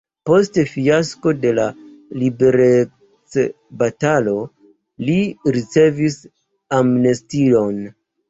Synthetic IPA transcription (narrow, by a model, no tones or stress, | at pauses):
po̞stefiasko̞de̞la | libe̞ɾe | t͡s | batalo̞ | liɾit͡se̞vis | amnestilo̞n